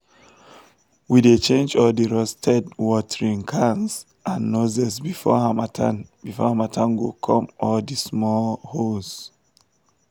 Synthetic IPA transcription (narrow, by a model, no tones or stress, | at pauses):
widet͡ʃẽnd͡ʒɔldiɹɔstʰɛdwɔtʰəɹĩŋkʰãnz | ʔãnːozɛsbifɔ̰amatʰanbifɔ̰hamatʰãnɡokʰɔ̃mʔɔldismɔlhoz